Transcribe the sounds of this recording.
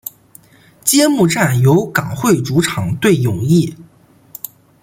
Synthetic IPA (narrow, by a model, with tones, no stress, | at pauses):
t͡ɕjɛ˥mu˥˧ʈ͡ʂa˥˩njo˧˥ʊkɑ˨˩ŋxwe˥˩ɪʈ͡ʂu˧˥ʈ͡ʂʰɑ˨˩˦ŋt̪we˥˩ɪjʊ˨˩ŋi˥˩